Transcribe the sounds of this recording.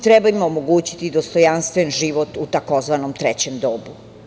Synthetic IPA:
t̪ɾɛbaimomoɡuːt͡ɕi̥t̪id̪ost̪ojanst̪ʋenʒiʋot̪ut̪ako̞zʋanomt̪ɾet͡ɕemd̪obu

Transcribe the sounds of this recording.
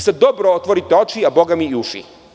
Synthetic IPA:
sed̪o̞bɾoot̪ʋoɾit̪eo̞t͡ʃiabo̞ɡamiːuʃḭ

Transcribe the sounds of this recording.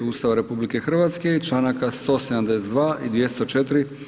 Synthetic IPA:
uːst̪aʋaɾe̞publike̞xr̩ʋaːt̪ske̞it͡ʃlˠaːnakast̪o̞sed̪amd̪e̞set̪d̪ʋaːid̪ʋjest̪ot͡ʃe̞t̪ɾi

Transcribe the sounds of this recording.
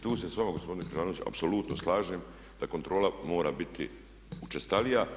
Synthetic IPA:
t̪uːsesʋamaɡospo̞d̪inekɾaʒaːnoʋit͡ɕa̰psoluːt̪noslˠaːʒeːm | d̪̥akont̪ɾo̞ːlamo̞ːɾaːbit̪ḭ | ut͡ʃest̪alija

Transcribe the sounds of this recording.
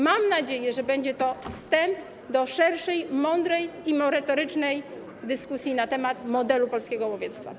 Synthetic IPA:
mamnad͡ʑejɛʐɛbɛɲd͡ʑɛt̪ɔfst̪ɛmp | d̪ɔʂɛɾʂɛjmɔnd̪ɾɛjimɔɾɛt̪ɔɾɘt͡ʂnɛj | d̪ɘskusʲjinat̪ɛmat̪mɔd̪ɛlupɔlskʲɛɡɔwɔvʲjɛt̪st̪fa̰

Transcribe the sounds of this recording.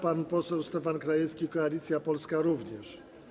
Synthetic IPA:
panpɔsɛwst̪ɛfankɾajɛfskʲikɔalʲit̪sʲjapɔlskaɾuvɲɛʂ

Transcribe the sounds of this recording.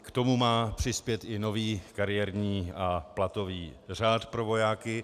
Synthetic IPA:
kt̪o̞mumaːpr̝̥ɪspjɛt̪ɪno̞viːkaɾɪjɛɾɲiːaplat̪o̞viːr̝aːt̪pɾo̞vo̞jaːkɪ

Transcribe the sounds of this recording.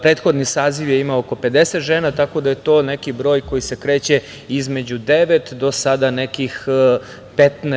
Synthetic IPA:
pɾet̪xo̞d̪nisaːziʋjeimaooko̞pe̞d̪eset̪ʒeːnat̪ako̞d̪aje̞t̪o̞ːnekibɾo̞ːjko̞jise̞kɾeːt͡ɕe | izme̞d͡ʑud̪eʋet̪d̪o̞sad̪anekix | pet̪nɛ

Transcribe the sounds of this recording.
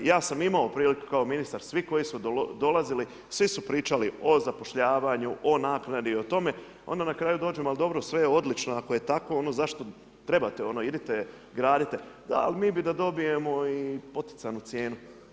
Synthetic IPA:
jaːsamimaopɾiːliku̥kao̞minist̪aɾsʋiko̞jisud̪o̞lazili | sʋisupɾiːt͡ʃalio̞zapoʃʎaːʋaɲuʔo̞naːknad̪iio̞t̪o̞me̞ | o̞̰nd̪anakɾaːjud̪oːd͡ʑemald̪o̞bɾosʋejeo̞d̪lit͡ʃnoako̞je̞t̪ako̞o̞no̞zaʃt̪o̞ | t̪ɾe̞bat̪eo̞no̞id̪it̪e | ɡɾaːd̪it̪ed̪a̰a̰limiːbid̪ad̪o̞bije̞mo̞ipo̞t̪i̥t̪sanut̪sje̞ːnu

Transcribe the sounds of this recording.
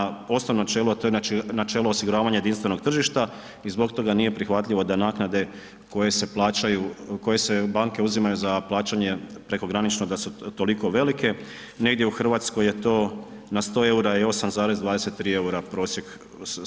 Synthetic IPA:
o̞snoʋnoat͡ʃelot̪ojeanat͡ʃeːloosiɡuɾaːʋaɲajed̪inst̪ʋe̞no̞ɡt̪r̩ʒiʃt̪a | izbo̞ɡt̪o̞ɡaniːje̞pɾixʋat̪ʎʲiʋo̞d̪anaːknad̪e̞ | ko̞je̞se̞plˠaːt͡ʃajuko̞je̞se̞baːŋke̞uzimajuzaplˠaːt͡ɕaɲe̞pɾe̞ko̞ɡɾanit͡ʃnod̪asut̪o̞liko̞ʋe̞like̞ | ne̞ɡd̪je̞uxr̩ʋaːt̪skoje̞t̪o̞ː | nast̪o̞ːe̞uɾaio̞samzaːɾe̞zd̪ʋaːd̪ese̞t̪t̪ːɾiːe̞uɾapɾo̞ːsje̞ɡ

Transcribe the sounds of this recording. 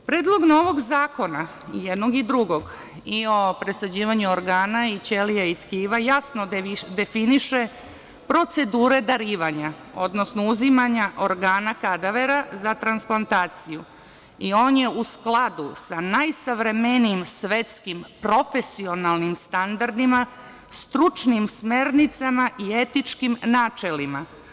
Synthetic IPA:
pɾe̞ːd̪lˠo̞ɡno̞ʋo̞ɡzaːko̞na | jed̪no̞ɡid̪ɾuɡo̞ɡ | io̞pɾe̞sad͡ʑiːʋaɲuoɾɡaːnait͡ɕeliait̪kiːʋajasno̞d̪e̞finiʃe | pɾo̞t̪se̞d̪uːɾe̞d̪aɾiːʋaɲa | o̞d̪no̞snouzimaɲaʔo̞ɾɡaːnakad̪aʋeɾazat̪ɾansplˠant̪aːt̪siju | io̞ːnjeusklad̪usanajsaʋɾemeniːmsʋet̪skimpɾo̞fesio̞nalnimst̪and̪aɾd̪ima | st̪ɾut͡ʂnimsmeɾnit̪samaʔiet̪it͡ʂkimnaːt͡ʃelima

